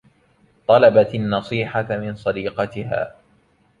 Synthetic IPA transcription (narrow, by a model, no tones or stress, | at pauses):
t̪ˤɑlɑbat̪anːɑsˤiːħamɪnsˤɑd̪iːqɑt̪ɪha̰ː